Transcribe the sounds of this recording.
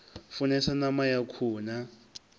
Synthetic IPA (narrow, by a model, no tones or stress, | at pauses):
funɛsanamajakʰuːna